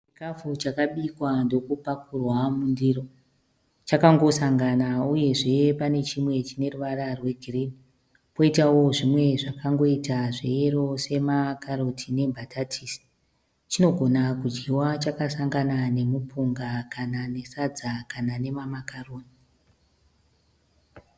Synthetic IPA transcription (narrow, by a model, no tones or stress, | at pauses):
t͡ʃikafut͡ʃakaɓikwando̞kupakurwamundiːro̞ | t͡ʃakaŋɡo̞saŋɡanauje̞ʐe̞pane̞t͡ʃimwe̞t͡ʃine̞ruʋararwe̞ɡʱirini | po̞itawo̞ʐimwe̞ʐakaŋɡo̞itaʐeeɾo̞se̞makaɾotʰine̞mbʱatʰatʰiːsi̥ | t͡ʃino̞ɡʱo̞nakud͡ʒɡiwat͡ʃakasaŋɡanane̞mupʰuŋɡakanane̞sad͡zakanane̞mamakaroːni